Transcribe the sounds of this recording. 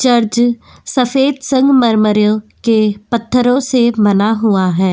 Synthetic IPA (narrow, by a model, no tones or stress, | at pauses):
t͡ʃəɾd͡ʒ | səfʰeːd̪sə̃ŋɡməɾməɾõːkepət̪ʰːəɾõːsemənaːɦʊaːɦɛː